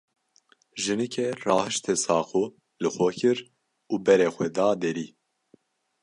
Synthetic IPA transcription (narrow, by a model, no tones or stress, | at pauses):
ʒɨnɨkʰɛrɑːhɨʃt̪ʰesɑːqo | lɨxʷɛkʰɨɾ | uːbɛɾeːxʷɛd̪ɑːd̪eɾiː